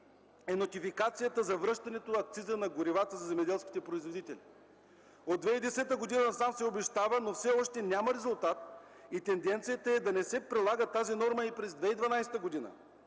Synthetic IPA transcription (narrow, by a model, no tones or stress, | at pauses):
ɛnot̪ifikat̪sijət̪əzɐvɾɤʃt̪ɐnɛt̪oɐk̚t̪sizənɐɡoɾivat̪əzɐzɛmɛd̪ɛlˠskʲi̥t̪ɛpɾoizvod̪it̪ɛli | od̪ːvɛid̪ɛsɛt̪əɡod̪inɐsamsɛobɛʃt̪avənofsɛɔʃt̪ɛnʲjamɐɾɛzʊlˠt̪at̪ | it̪ɛnd̪ɛnt̪sijət̪ɐɛd̪ɐnɛsɛpɾilˠaɡət̪azinɔɾməipɾɛzd̪vɛid̪vɐnajsɛ̥t̪əɡod̪inə̰